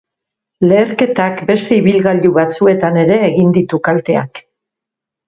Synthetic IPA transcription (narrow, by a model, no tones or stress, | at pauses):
le̞ːɾke̞t̪akbe̞st̪e̞iβ̞ilɣaʎuβat͡sue̞t̪ane̞ɾe̞ːɣind̪it̪ukalt̪e̞a̰k